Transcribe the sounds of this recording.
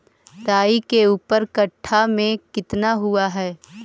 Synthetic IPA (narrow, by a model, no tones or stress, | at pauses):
t̪aːikeuːpəɾkəʈʰːamẽkɪt̪naɦʊaɦɛː